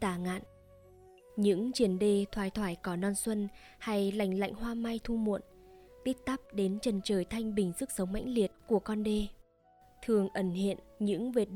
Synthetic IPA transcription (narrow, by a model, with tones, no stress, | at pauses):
t̪aː˧˩ŋa̰ː˧˨n | ɲɨ̰˧˥ŋt͡ɕi˨˩ənɗe˧t̪ʰwaː˧˩jt̪ʰwaː˧˩jkɔ˨˦nɔ˧nswə˧n | ha˧jla̰˧˨jŋ̟la̰˧˨jŋ̟hwaː˧ma˧jt̪ʰu˧mṵ˧˨ənt̪i˦˥k̚t̪a˦˥p̚ɗe˨˦nt͡ɕə˨˩nt͡ɕəː˨˩jt̪ʰa˧jŋ̟ɓï˨˩ŋ̟zɨ˦˥k̚sə˨˦wŋ͡mma̰˧˥jŋ̟li˨˩ət̚ku˧˩əkɔ˧nɗe˧ | t̪ʰɨ˨˩əŋʔə˧˩nhḭ˧˨ənɲɨ̰˧˥ŋve˨˩t̚